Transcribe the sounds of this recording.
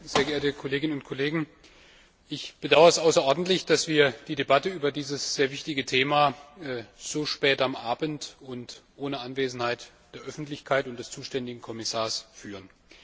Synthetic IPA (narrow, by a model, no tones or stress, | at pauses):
z̥eːɐɡəeːɐtəkʰɔleːɡɪnənʊntkʰɔleːɡŋ̩ | ʔɪçb̥ədaʊɐʁɛsʔaʊsɐʔɔɐdn̩tlɪçd̥asv̥iːɐd̥iːdebatəyːbɐdiːzəsz̥eːɐvɪçtɪɡətʰeːmaː | z̥oːʃpɛːtamʔaːbən̩tʊntʔoːnəʔanveːzn̩haɪt | d̥eːɐʔœfn̩tlɪçkʰaɪtʊntd̥ɛst͡suːʃtɛndɪɡŋ̩kʰɔmɪsaːɐsfyːʁən